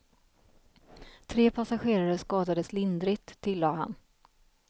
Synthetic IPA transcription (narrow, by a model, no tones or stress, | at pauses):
t̪ʰɾeːpʰasaɧeːɾaɾəskɑːd̪ad̪əslɪnd̪ɾɪt̪ʰːɪlːɑːɦa̰n